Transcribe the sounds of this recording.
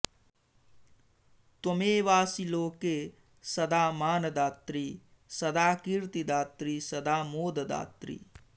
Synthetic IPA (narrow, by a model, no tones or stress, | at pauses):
t̪omeːʋaːsiloːkeː | sɐd̪aːmaːnɐd̪aːt̪ɾiː | sɐd̪aːkiɾt̪id̪aːt̪ɾiːsɐd̪aːmoːd̪ɐd̪a̰ːt̪ɾḭː